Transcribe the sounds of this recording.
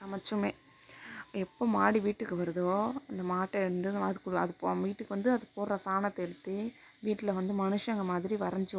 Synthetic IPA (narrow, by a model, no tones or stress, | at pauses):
sɐmɐt͡ʃːɯmeː | ɛpːoːmaːɽiʋiːʈːɯkːɯʋɐɾɯðoːɐnd̪ɐmaːʈːɐɛɽɯnd̪ɯɐðɯkːɯɐðɯpːʋiːʈːɯkːɯʋɐnd̪ɯɐðɯpoːɾɾɐsaːnɐt̪ːɐɛɽɯt̪ːɯ | ʋiːʈːɪlɐʋɐnd̪ɯmɐnɯʂɐ̃ɛŋɡɐmaːðɪɾiʋɐɾɐɲd͡ʒɯ